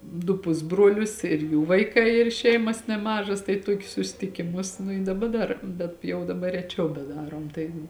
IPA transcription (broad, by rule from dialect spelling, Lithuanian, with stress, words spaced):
dʊ ˈpʊzbruɔlʲʊs ɪr ˈjuː ʋɐɪˈkɐɪ ɪr ˈʃʲɛɪmɐs nʲɛˈmɑːʒɐs tɐɪ ˈtoːkʲʊs sʊsʲɪtʲɪkʲɪˈmʊs nʊ ɪ dɐˈbɐ ˈdɐr bʲɛt jɛʊ dɐˈbɐr rʲɛˈt͡ʃʲɛʊ bʲɛˈdɑːroːm tɐɪ